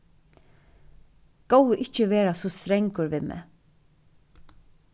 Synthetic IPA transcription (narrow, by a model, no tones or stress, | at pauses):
kowɪʔɪht͡ʃəʋɛːɾasɔst̪ɾeŋkʊɾʋɪmɛ̰